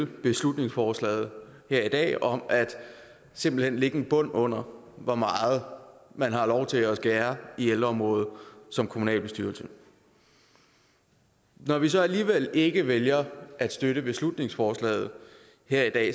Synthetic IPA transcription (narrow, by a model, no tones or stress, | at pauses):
b̥e̝slud̥ne̝ŋsfɒːslɛ̰ːɪð̞̩ˠhæɐ̰id̥ɛ̰ːɒ̽mʔæd̥ | se̝m̰b̥l̩henle̝ɡ̥əenb̥ɔ̽n̰ɔ̽n̰ɐ | ʋɒmɑ̈ːð̞̩ˠmænɦɑ̈lɒʊt͡sʰe̝æsɡ̥æːɐield̥ʁɐɒmʁɔ̽ːð̩ˠsɒ̽mkʰomunɛ̰ːlb̥e̝sd̥yɐlsə | nɒʋis̬ɒ̽æliːʋel̰e̝ɡ̥əʋeljɐʔæd̥sd̥øɾəb̥e̝slud̥ne̝ŋsfɒːslɛ̰ːð̞̩ˠ | hæɐ̰id̥ɛ̰ː